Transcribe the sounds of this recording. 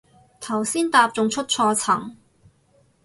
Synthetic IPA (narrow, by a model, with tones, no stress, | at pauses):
t̪ʰɐ˨˩wsiː˥nt̪aː˧p̚t͡sʊ˨ŋt͡ʃʰɵ˥t̚t͡ʃʰɔː˧t͡sʰɐ˨˩ŋ